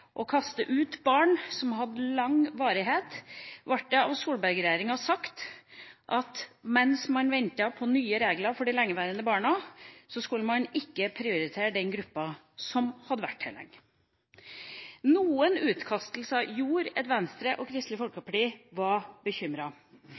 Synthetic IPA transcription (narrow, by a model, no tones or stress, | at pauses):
ʔɔkʰɑst̪əʔʉːt̪bɑːɳsɔmɦɑd̪ːəlɑŋʋɑːɾɪɦeːt̪ʋɑʈ̚d̪ɛɑʋsuːlbæɾɡɾɛjeːɾɪŋɑsɑkt̪ʔɑt̪mɛnsmɑnʋɛnt̪ɑpʰɔnyːəɾeːɡlɑfɔɖɪlɛŋːəʋæːɾənd̪əbɑːɳɑsɔskʉlːəmɑnɪkːəpʰɾɪʊɾɪt̪ʰeːɾɖ̪ɛnɡɾʉpːɑ | sɔmhɑd̪ːəʋæ̰ʈʰhɛ̰lɛ̰ŋːə | nuːənʉːt̪kʰɑst̪l̩səɑjuːɾɛt̪ʋɛnst̪ɾəʔɔkʰɾɪst̪lɪfɔlkəpʰɑʈiːʋɑɾb̥əçʏmɾɑ